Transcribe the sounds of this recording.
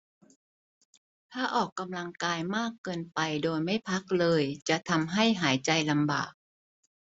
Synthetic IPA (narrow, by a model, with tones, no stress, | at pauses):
t̪ʰaː˥˩ʔɔː˨˩kːa˧mla˧ŋkaː˧jmaː˥˩kːɤː˧npa˧jdoː˧jma˥˩jpʰa˦˥k̚lɤː˧jt͡ɕa˨˩ʔt̪ʰa˧mɦa˥˩jɦaː˩˦jt͡ɕa˧jla˧mba̰ː˨˩k̚